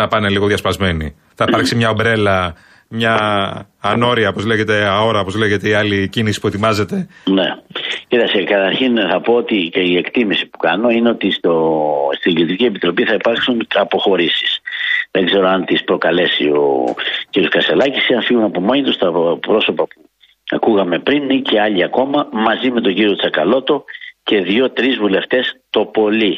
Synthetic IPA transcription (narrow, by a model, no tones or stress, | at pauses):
ɐpɐne̞liɣo̞ðʝɐspɐzme̞ni | θɐipɐɾksimɲɐobɾe̞lɐ | mɲɐː | no̞ɾiɐopo̞zle̞ɣet̪e̞ao̞ɾɐopo̞zleʝe̞t̪e̞ialicinisi̥pue̞t̪imɐze̞t̪e̞necit̪ɐkst̪ekɐt̪ɐɾçinθɐpo̞ot̪iie̞kt̪imisi̥pu̥kɐno̞ineo̞t̪ist̪ost̪iɡilt̪ɾicie̞pit̪ɾo̞piθɐipɐɾksunɐpo̞xo̞ɾisi̥sðe̞ɡze̞ɾo̞ɐnt̪ispɾo̞kɐle̞sḭo̞̰ciɾjoskɐse̞lɐcisiɐfiɣunɐpo̞moɲit̪ust̪ɐpɾo̞so̞pɐpu | ɐkuɣɐme̞pɾinice̞ɐʎiɐko̞mɐmɐzime̞t̪o̞ɲɟiɾio̞t͡sɐkɐlo̞t̪o̞ce̞ðʝo̞t̪ɾizvule̞ft̪e̞st̪o̞po̞li